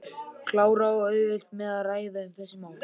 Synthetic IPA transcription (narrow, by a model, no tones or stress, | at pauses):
kʰlaːwɾaɔœɥvɪst̪mɛðaðraːjðaʏmθɛsːʏmaːwl